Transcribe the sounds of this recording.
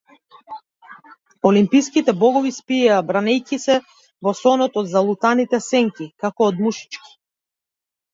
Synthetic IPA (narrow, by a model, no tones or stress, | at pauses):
ɔlimpijskit̪ɛbˠɔɡɔvispiaːbɾanɛjkisɛ | vɔsɔnɔt̪ɔd̪zalˠut̪anit̪ɛsɛŋkikakɔːd̪muʃi̥t͡ʃki̥